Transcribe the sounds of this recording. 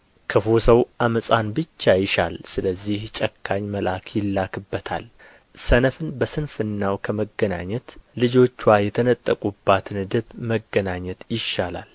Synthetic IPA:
kʰəfosəwʔaməsʼanbɨt͡ʃːajɪʃa̰lsɨləzːiht͡ʃʼəkʰːaɲməlʔakʰjɪlːakʰɨbːət̪ʰa̰l | sənəfɨnbəsɨnfɨnːawkʰəməɡːəna̰ɲːɛt̪lɨd͡ʒo̞t͡ʃːwajɛt̪ʰənət̪ʼːəkʼubːat̪ʰɨnɨd̪ɨβməɡːənaɲːɛt̪jɪʃːala̰l

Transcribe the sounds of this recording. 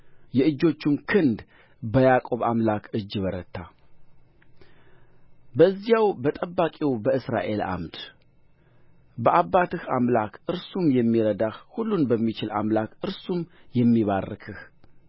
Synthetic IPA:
jɛɨd͡ʒːo̞t͡ʃːɪmkʰɨnd̪ | bəjakʼo̞βamlakʰɨd͡ʒːβəɾə̰t̪ʰːa | bəzːjawbət̪ʼəbːakʼiwbəɨsɾa̰ʔe̞̰la̰mt̪ | bəʔabːat̪ɨhamlakʰʔɨɾsumjɛmːiɾəd̪ahhulːunbəmːit͡ʃɪla̰mlakɨɾsumjɛmːiβarːɨkʰɨh

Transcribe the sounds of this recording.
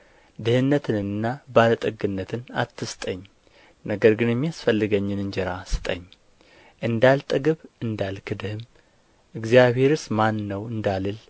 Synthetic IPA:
d̪ɨhɨnːət̪ʰɨnɨnːabalət̪ʼɨɡɨnːət̪ʰɨna̰t̪ʰːɨst̪ʼəɲː | nəɡəɾɡɨnjɛmːijasfəlːɨɡəɲːɨnɨnd͡ʒɛɾasɨ̥t̪ʼəɲː | ʔɨnd̪alt̪ʼɨɡɨβɨnd̪alkʰɨd̪ɨhɨm | ʔɨɡzijaβhe̞ɾɨsmanːəwɨnd̪alɨl

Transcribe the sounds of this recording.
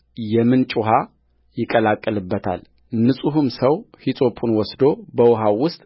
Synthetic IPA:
jɛmɨnt͡ʃʼuɦa | jɪkʼəlakʼːəlɨbːət̪ʰa̰l | nɨsʼuɦumsəwhit̪ʼo̞pʰunwɔsd̪o̞bəwʊɦawʊst̪ʼ

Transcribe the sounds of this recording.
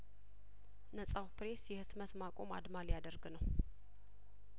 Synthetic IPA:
nəsʼawpɾe̞sjɛhɨt̪mət̪makʼo̞ma̰d̪maljad̪əɾɡɨnəw

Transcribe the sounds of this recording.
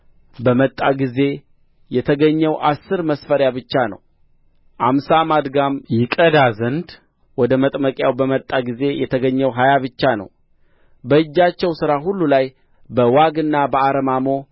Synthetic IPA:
bəmət̪ʼːaɡize̞ | jɛt̪ʰəɡəɲːɛwʔasːɨɾməsfəɾjabɨt͡ʃːanə̰w | ʔamsamad̪ɡamjɪkʼəd̪azənd̪ | wɔd̪əmət̪ʼməkʼjawbəmət̪ʼːaɡize̞jɛt̪ʰəɡəɲːɛwɦajaβɨt͡ʃːanə̰w | bəɨd͡ʒːat͡ʃːɛwsɨɾaɦulːulaj | bəwaɡɨnːabəaɾəmamo̞

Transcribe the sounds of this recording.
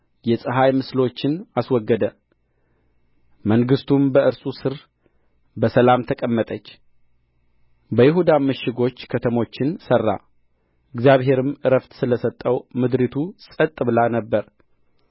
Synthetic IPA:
jɛsʼɨɦajmɨslo̞t͡ʃːɪnaswɔɡːəd̪ə | məŋɡɨst̪ʰumbəɨɾsʼusɨɾ | bəsəlamt̪ʰəkʼəmːət̪ʼət͡ʃː | bəjɪɦud̪aməʃːɪɡo̞t͡ʃːkʰət̪ʰəmo̞t͡ʃːɪnsərːa̰ | ʔɨɡzjaβɦe̞ɾɨmɨɾəft̪sɨləsət̪ʼːəwmɨd̪ɾit̪ʰusʼət̪ʼːɨβlanəbːəɾ

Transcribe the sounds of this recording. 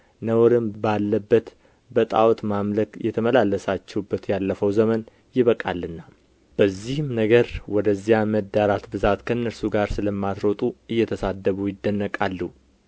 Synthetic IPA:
nəwɾɨmbalːəbːət̪ | bət̪ʼa̰wt̪mamləkjɛt̪ʰəməlalːəsat͡ʃːɛwubːət̪jalːəfəwzəmən | jɪβəkʼa̰lːɨnːa | b̥əzːihɨmnəɡəɾwɔd̪əzːijaməd̪ːaɾat̪bɨzat̪kʰənːəɾsuɡaɾsɨləmːat̪ɾot̪ʼuɨjːɛt̪ʰəsad̪ːəβujɪd̪ːənːəkʼalːu

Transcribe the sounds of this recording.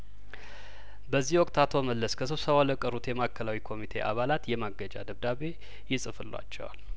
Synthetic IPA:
bəzːihwɔkʼt̪ʰat̪ʰoməlːəskʰəs̬ɨβsəβaləkʼəɾut̪jɛmakʰːəlawikʰo̞mit̪ʰe̞̰ʔa̰βalat̪jɛmaɡəd͡ʒa̰d̪əβd̪aβe̞ | jɪsʼɨfɨlːwa̰t͡ʃːɛ̰wa̰l

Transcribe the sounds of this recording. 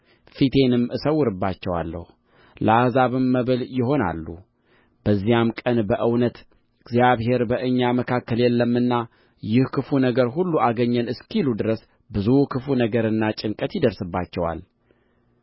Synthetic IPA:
fit̪ʰe̞nɨmɨsəwʊɾɨbːat͡ʃːɛwa̰lːə̰hu | ləazaβɨmːəβɨljɪɦo̞na̰lːṵ | b̥əzːijamkʼənbəʔɨwnət̪ | ɨɡzjaβhe̞ɾbəʔɨɲːaməkʰakːəljɛlːəmːɨnːa | jɪhkʰɨfunəɡəɾɦulːuʔaɡəɲːənɨskʰilud̪ɨɾəs | bɨzukʰɨfunəɡəɾɨnːat͡ʃʼɪŋkʼət̪jɪd̪əɾsɨbːat͡ʃːɛwa̰l

